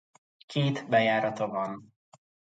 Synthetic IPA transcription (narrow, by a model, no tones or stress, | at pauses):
kʰeːt̪bɛjaːɾɒt̪ɒvɒn